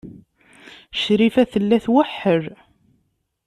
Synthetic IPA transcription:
ʃɾifæθəlːæθwəħːəɾ

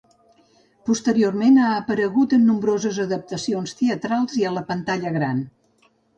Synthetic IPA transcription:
pust̪əɾiormenaəpəɾəɣut̪ənːumbɾozəzəðəp̚t̪əsionst̪eət̪ɾalˠziələpənt̪aʎəɣɾan

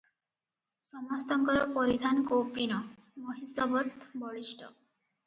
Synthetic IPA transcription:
sɔmɔst̪ɔŋkɔɾɔpɔɾid̪ʱankowpinɔ | mɔɦisɔbɔt̪bɔɭiʃʈɔ̰

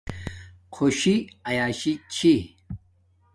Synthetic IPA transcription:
qʰoɕiɐjaːɕit͡ɕʰi

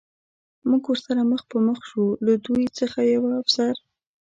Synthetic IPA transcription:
muɡwəɾsaɾaməxpəməxʃulad̪ujt͡səxajawaːfsaɾ

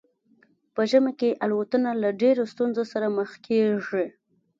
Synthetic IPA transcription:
pəʒəmakeʔalwat̪ənalaɖeɾost̪unzosaɾaməxkʰeʐi

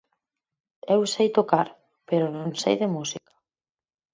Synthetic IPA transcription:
ewsejt̪okaɾ | peɾonõnsḛjðemusikḁ

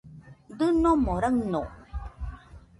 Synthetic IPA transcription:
d̪ɯnomoɾəŋno

